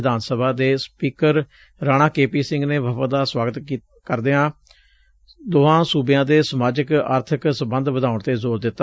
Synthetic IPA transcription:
d̪aːnsəbʱaːd̪eːspiːkəɾ | ɾaːɽ̃ãːkeːpiːsɪ̃ŋɡneːʋəpəd̪aːswaːɡət̪ | kəɾd̪eːãː | d̪oːãːsuːbɪjãːd̪eːsəmaːd͡ʒəka̰ːɾt̪ʰəksəmbənd̪ʋəd̪aːʊɳt̪eːzoːɾd̪ɪt̪ːaː

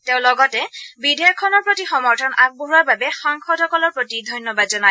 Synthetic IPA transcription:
teʊ̃lɔɡɔtɛbidʱɛjɔkʰːɔnɔɹpɹotixɔmɔɹtʰɔnʔak̚boɦuaɹbabɛxaŋxʰɔdʱɔkɔlɔɹpɹotidʱɔjnjɔbadzɔnaj

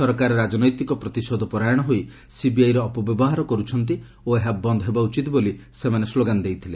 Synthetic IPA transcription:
sɔɾɔkaɾɔɾad͡ʒɔnɔjt̪ikɔpɾɔt̪isod̪ʱɔpɔɾajɔɽ̃ɔɦoj | sibiajɾɔːpɔbjɔbɔɦaɾɔkɔɾut͡ʃʰɔnt̪̬i | oeɦabɔnd̪ʱɔɦebaut͡ʃit̪bolisemanesloɡand̪ejt̪ʰile

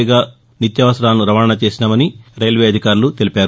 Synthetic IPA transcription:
ɡaː | nit̪jɐʋɐsɐɾaːlnːuɾɐʋaːɾɐɳɐt͡ʃe̞ːsinamɐniɾɐjlʋe̞ːɐd̪ʱikaːɾulut̪e̞lipaːɾu

